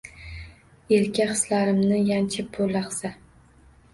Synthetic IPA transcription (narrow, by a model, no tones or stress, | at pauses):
elkʲaχɨ̥slaɾɪmnɪjant͡ʃʰɪp̚bolːaχsa